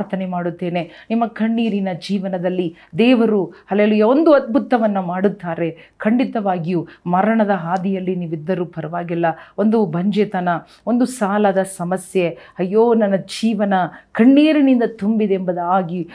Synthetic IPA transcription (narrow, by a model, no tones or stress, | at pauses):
ɾt̪ʰɐnemaːɽut̪ːe̞ːne̞ | nimːɐkɐɳːiːɾinɐd͡ʒiːʋɐnɐd̪ɐlːi | d̪ɛːʋɐɾuɐlːeluɐond̪uɐd̪̚bʱut̪ːɐʋɐnːɐmaːɽut̪ːaːɾe̞kʰɐɳɖit̪ɐʋaːɡijumɐɾɐɳɐd̪ɐɦaːd̪ijɐlːiniːʋid̪ːɐɾupɐɾɐʋaːɡilːɐo̞nd̪ubʱɐɲd͡ʒeːt̪ɐnɐ | o̞nd̪usaːlɐd̪ɐsɐmɐsjeɐjːoːnɐnːɐd͡ʒiːʋɐnɐkɐɳːiːɾɐnind̪ɐt̪umbid̪eːmbɐd̪uaːɡi